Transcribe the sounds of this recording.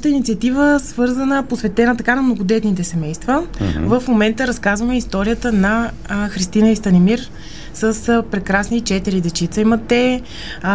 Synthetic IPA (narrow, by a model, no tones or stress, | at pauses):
ʃt̪əinit̪siət̪ivəsvɤɾzənəposvɛt̪ɛnət̪ɐkanɐmnoɡod̪ɛt̪nit̪ɛsɛmɛjst̪vəvəfmomɛnt̪əɾɐskazvəmɛist̪ɔɾijət̪ənɐ | xɾist̪inəist̪ɐnɛmiɾ | səspɾɛkɾasnit͡ʃɛt̪iɾid̪ɛt͡ʃit̪səimɐt̪ɛ